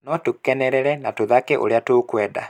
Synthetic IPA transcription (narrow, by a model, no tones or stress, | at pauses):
nɔtokɛnɛɾɛɾɛnatoðakeʔo̰ɾeatokwɛːda̰